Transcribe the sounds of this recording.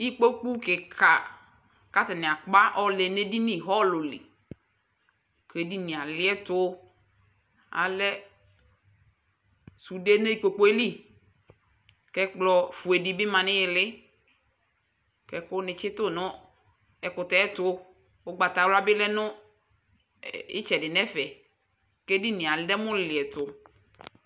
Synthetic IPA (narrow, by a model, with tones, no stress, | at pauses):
i˦k͡po˦k͡pu˦kɪ˨kʰa˨ | ka˦tɛ˨nɪ̃˨a˨k͡pa˦ʔɔ˦le˨ne˦di˦nɪ̃˦˨ɦɔ˦lʊ˨lɪ̰˨ | ke˨di˦nĩ˨a˨lɪ˦ɛ˦tʊ˦ | a̰˨lɛ˦ | su˨de˦ne˦i˦k͡po˨k͡po˦e˦li˦ | kɛ˦k͡plɔ˨fu˨e˨di˨bɪ˦mã˨nɪ̃˦jɪ˨lɪ˦ | kɛ˨kʊ˦nɪ̃˨t͡ʃɪ˦t̪ʊ˦˨nʊ̃˦ | ɛ˨kʊ˨t̪ɛ˦ɛ˦t̪ʊ˦ | wo˦ɡ͡ba˨t̪a˨wla˦bɪ˦lɛ˦nʊ̃˦ | ɪ̰˦t͡ʃɛ˨dɪ˨nɛ̃˦fɛ˨ | ke˦di˦nɪ̃˨a˨ldɛ˦mʊ̃˦lɪ˨ɛ˨t̪ʊ˨